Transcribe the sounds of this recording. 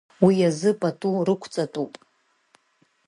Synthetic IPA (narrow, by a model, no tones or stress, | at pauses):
wiazɨpʼatʼurɨkʷʰt͡sʼatʼupʼ